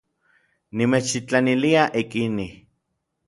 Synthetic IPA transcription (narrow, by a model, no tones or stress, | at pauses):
nimeːt͡ʃit͡ɬaniliaʔikini